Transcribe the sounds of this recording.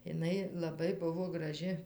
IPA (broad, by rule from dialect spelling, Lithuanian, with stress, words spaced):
ɪˈnɐɪ lˠɐˈbɐɪ ˈbʊʋoː ɡrɐˈʒʲɪ